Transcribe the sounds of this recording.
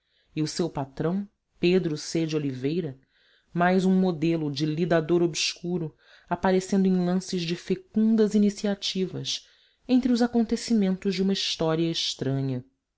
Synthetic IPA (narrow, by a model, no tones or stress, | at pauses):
iʊsewpat̪ɾɐ̃w̃ | ped̪ɾʊsed͡ʒɪolivejɾɐ | majzũmod̪elʊd͡ʒɪlid̪ad̪oɾobskuɾʊ | apaɾesẽnd̪ʊẽj̃lˠɐ̃sɪʒd͡ʒɪfekũnd̪ɐzinisiat͡ʃivɐs | ẽnt̪ɾɪʊzakõnt̪esimẽnt̪ʊʒd͡ʒɪũmɐiʃt̪ɔɾiɐeʃt̪ɾɐ̃ɲɐ